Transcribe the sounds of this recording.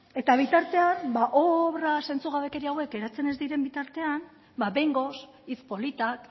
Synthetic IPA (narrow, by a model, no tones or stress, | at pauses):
e̞t̪aβ̞it̪aɾt̪e̞anbaʔoβɾase̞nt͡suɣ̞aβe̞ke̞ɾiawe̞ke̞ɾat͡se̞ne̞zd̪iɾe̞mbit̪aɾt̪e̞an | baβe̞jŋɡo̞s | it͡spo̞lit̪ak